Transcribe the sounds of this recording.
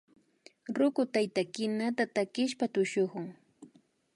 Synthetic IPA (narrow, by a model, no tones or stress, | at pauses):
ɾʊkʊt̪ajt̪akɪnat̪at̪akɪʃpat̪ʊʃʊχʊŋ